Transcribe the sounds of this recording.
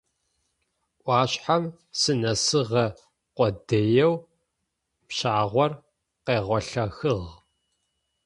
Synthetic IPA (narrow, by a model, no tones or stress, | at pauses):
ʔʷɑːɕħam | sɨnɐsɨʁɐ | qʷɔdɐjɛw | pɕaːʁʷɔr | qeːʁʷɔɬɐxɨʁ